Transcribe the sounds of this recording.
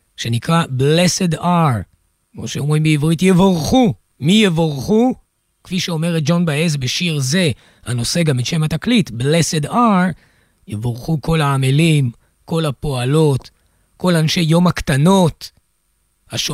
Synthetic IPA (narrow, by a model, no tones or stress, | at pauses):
ʃe̞nikʁable̞se̞daʁ | o̰ʃeomʁimiivʁitjevoʁχu | mijevoʁχu | kfiʃeo̞me̞ʁet̚d͡ʒo̞nbaezbeʃiʁze̞ | hano̞se̞ɡameʃe̞mhataklitblesedaʁ | jevoʁχuko̞laamelim | ko̞lapo̞alo̞t | ko̞lanʃe̞jːo̞mhakt̪ano̞t | haʃ